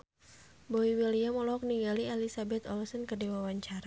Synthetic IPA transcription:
boiwiliamɔlɔɦɔk̚niŋɡalialisabɛt̪ɔ̰lɔsənkərdiwawaɲt͡ʃaɾ

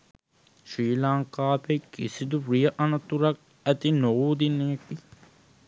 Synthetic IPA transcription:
ʃiːlaːŋkaːpekɡisid̪uprijəʔɐnɐt̪uɾɐk̚ | æt̪inoʋuːd̪ineki

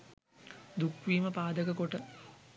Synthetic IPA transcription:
d̪ukʋiːməpaːd̪əkəkoʈə

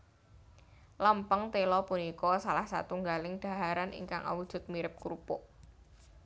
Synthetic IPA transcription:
ləmpəŋt̪elɔpunikɔsalahsa̰t̪uŋɡalɪŋɖ̪̥a̤ɦaɾanʔḭŋka̰ŋʔa̰wud̥ʒ̥ʊ̤t̪̚miɾɪp̚kuɾupʊʔ

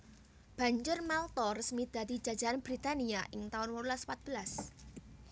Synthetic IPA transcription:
b̥a̤ɲd͡ʒʊrmalt̪ɔrəsmid̪̥ä̤d̪i̤̥d͡ʒ̥a̤̥d͡ʒ̥a̤ʔanb̥ɾit̪aniaʔɪŋt̪aʊnwəɾulasə̥pat̪̚b̥ə̤las

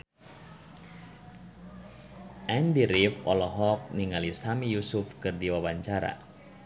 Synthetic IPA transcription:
ʔɛndiɾifɔlɔɦɔk̚niŋalisamijusufkɨrdiwawaɲt͡ʃaɾa̰

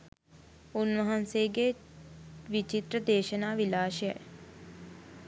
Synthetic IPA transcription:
unʋɐɦanseːɡe | ʋit͡ʃit̪rəd̪eːʃənaːʋilaːʃejɛ̰

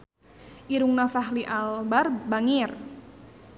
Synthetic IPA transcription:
ʔiɾuŋnafaɦliʔalbarbaŋir

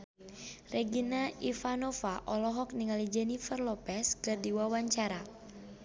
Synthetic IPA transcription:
rɛɡinaifanɔfaʔɔlɔɦɔk̚niŋalid͡ʒɛnifɛrlɔpɛskɨrdiwawaɲt͡ʃaɾa

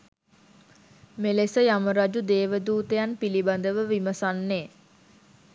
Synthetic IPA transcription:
melesəjaməɾad͡ʒud̪eːʋəd̪uːt̪əjanpiliband̪əʋəʋiməsanːeː

